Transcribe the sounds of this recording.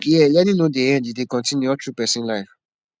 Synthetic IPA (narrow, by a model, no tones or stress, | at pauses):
iɛlɛnĩnõdeɛ̃didekɔ̃tĩnuɔtɾupɛsĩlaɪ